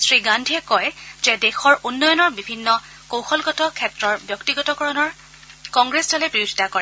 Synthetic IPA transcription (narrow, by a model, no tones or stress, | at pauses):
sɹiɡandʱiɛkɔjzɛdɛxɔɹunːɔjɔnɔɹbibʱinːɔ | kowxɔlɡɔtɔkʰɛtɹɔɹbjɔktiɡɔtɔkɔɹɔnɔɹ | kɔŋɡɹesdɔlɛpɹiɹudʱi̥takɔɹɛ